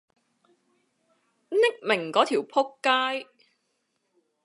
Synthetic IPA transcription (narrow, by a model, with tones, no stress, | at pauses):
nɪ˥k̚mɪ˨˩ŋkɔː˨˥t̪ʰiː˨˩wpʰʊ˥kːaː˥j